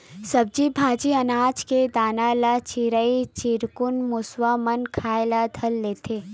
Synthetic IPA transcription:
sɐb̚d͡ʒibʱaːd͡ʒiɐnaːd͡ʒked̪aːnalat͡ʃiɾəit͡ʃɪɾkʊnmʊswamɐnkʰaːelad̪ʱɐlːeːt̪ʰeː

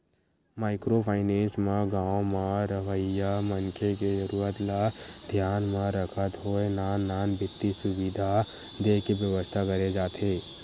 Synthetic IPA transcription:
maːɪkɾopʰaːɪnẽːnsmãɡãːmãɾʋəjamənkʰeked͡ʒəɾuːɾət̪lad̪ʱjaːnmãɾəkʰət̪ɦoenaːnːaːnbʱɪt̪ːisʊwid̪ʱa | d̪eːkibjəʋəst̪ʰakəɾed͡ʒaːt̪ʰeː

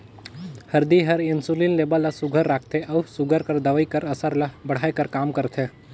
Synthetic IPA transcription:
hɐɾd̪iɦɐɾɪnsulinleːbəlːɐsʊɡʱəɾːaːkʰt̪ʰeʔɐsʊɡʱəɾkəɾd̪əʋəikəɾɐsəɾlabɐɽ̤aːjkəɾkaːmkəɾt̪ʰe

